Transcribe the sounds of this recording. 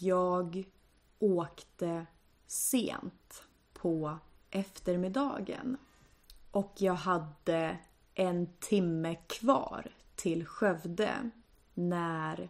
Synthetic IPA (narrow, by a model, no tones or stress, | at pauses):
jɑːɡ | oːkt̪ə | sḛːnt̪ | pʰɔ | ʔɛft̪əɾmɪd̪ɑ̰ːɡə̰n | ʔɔkʰjɑːɡɦad̪ə | ʔɛnt̪ʰɪmːəkʰvɑ̰ːɾ | t̪ʰɪlɧœvd̪ə̰ | næɾ